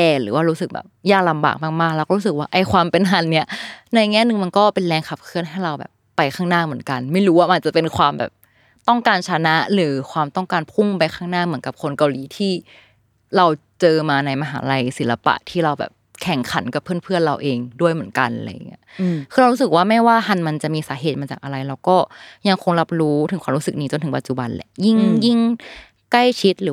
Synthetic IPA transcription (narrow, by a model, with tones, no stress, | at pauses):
ʔɛː˧˩lɯ̰ː˩˦waː˥˩ɾuː˦˥sɯ˨˩k̚bɛ̰˨˩p̚jaː˥˩k̚la˧mba̰ː˨˩k̚maː˥˩k̚maː˥˩klɛ˦˥kːɾuː˦˥s̬ɯ˨˩k̚waː˥˩ʔa˧jkʰwaː˧mpe˧nɦa˨˧˩nːi˦˥ɐna˧ŋɛː˦˥˩nɯ˨˩ŋma˧nkɔː˥˩pe˧nlɛː˧ŋkʰa˨˩p̚kʰɯ˥˩ənɦa˥˩jɾa˧wbɛ̰ː˨˩pːa˧jkʰaː˥˩ŋnaː˥˩mɯ˩˦ənka˧nma˥˩jɾuː˦˥waː˥˩ma˧nt͡ɕa˨˩pe˧nkʰwaː˧mbɛ̰ː˨˩p̚ | t̪ɔ˥˩ŋkaː˧nt͡ɕʰa˧na˦˥ʔlɯː˨˩˦kʰwaː˧mt̪ɔ˥˩ŋkaː˧npʰu˥˩ŋpa˧jxʰaː˥˩ŋnaː˥˩mɯ˨˩˦ənka˨˩p̚kʰo˧nka˧wliː˨˦t̪ʰiː˥˩ | ɾa˧wt͡ɕɤː˧maː˧na˧jma˧ɦa̰ː˩˦la˧jsi˩˦la˧pa̰˨˩ʔt̪ʰiː˥˩ɾa˧wbɛ̰ː˨˩p̚kʰɛ˨˩ŋkʰa̰˩˦nka˨˩pʰːɯ˥˩˨npʰɯ˥˩ənɾa˧wʔeː˧ŋdu˥˩əjmɯ˩˦ənka˧nʔa˧la̰˧ja˨˩ŋːḭ˦˥ɐkʰɯː˧ɾa˧wɾuː˦˥sɯ˨˩k̚waː˥˩ma˥˩jwaː˥˩hʰa˧nma˧nt͡ɕa˨˩ʔmiː˧saː˩˦ɦeː˨˩t̪̚maː˧t͡ɕaː˨˩k̚ʔa˧ɾa˧jɾa˧wkɔː˥˩ja˧ŋkʰo˧ŋla˦˥p̚ɾuː˦˥t̪ʰɯ˨˦kʰaː˧ɾuː˦˥sɯ˨˩k̚niː˦˥t͡ɕo˧nt̪ʰɯ˩˦pa˨t̪̚t͡ɕu˨˩ba˧nlɛ̰˧˩ʔji˥˩ŋji˥˩ŋ | kla˥˩jt͡ɕʰi˦˥t̪̚lɯː˨˦